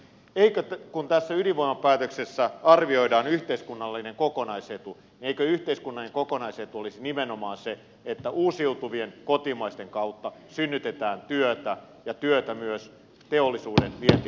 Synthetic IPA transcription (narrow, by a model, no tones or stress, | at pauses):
eikøkunt̪æsːæyliʋʋoimɑpæːt̪øksesːæɑrʋio̞idɑːnyht̪eiskunːɑlːineŋkokonɑiset̪u | nieikøyht̪eiskunːɑlːineŋkokonɑiset̪uolisinimenomɑːnse | et̪ːæʔuːsiuut̪uʋienkot̪imɑist̪eŋkɑuwt̪ːɑsynːyt̪et̪æːnt̪yøt̪æ | jɑt̪yøt̪æmyøs | t̪eolːisuːdenʋiet̪i